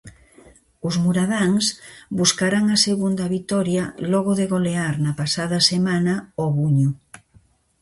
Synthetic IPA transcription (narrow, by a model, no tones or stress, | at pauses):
ʊzmuɾaðaŋsbuskaɾaŋaseɣund̪ɐβit̪ɔɾjalɔɣʊðeɣoleaɾnɐpasað̞ɐsemanaoβuɲu